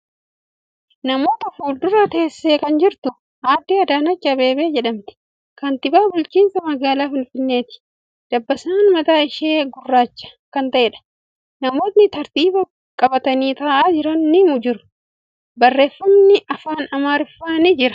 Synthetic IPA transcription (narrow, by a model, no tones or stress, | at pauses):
nɐmo̞ːt̪ɐfuːld̪ʊɾɐt̪e̞ːsːe̞ːkɐnd͡ʒɪɾt̪ʊ | haːd̪ːiːɐd̪aːnɐt͡ʃːɐbe̞ːbe̞ːd͡ʒɛᶑɐmt̪ɪ̥ | kɐnt̪ɪbaːbʊlt͡ʃiːnsɐmɐɡaːlaːfɪnfɪnːe̞ːt̪ɪ̥ | d̪̥ɐbːɐsaːnmɐt̪aːɪʃe̞ːɡʊrːaːt͡ʃːɐ̥kɐnt̪ɐʔɛːᶑɐ̥ | nɐmo̞ːt̪nɪt̪ɐɾt̪iːbɐ | kʼɐbɐt̪ɐniːt̪ɐːʔaːd͡ʒɪɾɐnːɪmʊd͡ʒɪɾʊ̥ | bɐrːe̞ːfːɐmnɪʔɐfaːnɐmaːɾɪfːaːnɪd͡ʒɪɾɐ̥